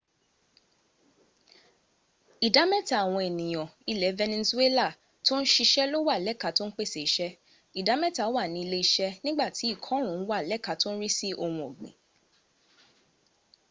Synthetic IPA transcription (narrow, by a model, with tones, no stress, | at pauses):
i˨da˨˦mɛ˦ta˨w̃ɔ̃˧e˨nĩ˨j̃ɔ̃˨i˧lɛ˨˦vɛ˧nẽ˧su˦e˦la˦˨ | to˦n̩˦ʃi˧ʃɛ˦lo˦wa˦˨lɛ˦˨ka˨˦to˦n̩˦k͡pe˦˨se˨i˨ʃɛ˦ | i˨da˨˦mɛ˦ta˨˦wa˦˨nĩ˨˧i˧le˦i˦ʃɛ˦nĩ˦ɡ͡ba˦˨ti˨˦i˦˨kʰɔ̃˨˦ũ˨˦n̩˦wa˦˨lɛ˦˨ka˧to˦n̩˦ɾi˦si˦ʔo˧wũ˧o˨ɡ͡bḭ̃˨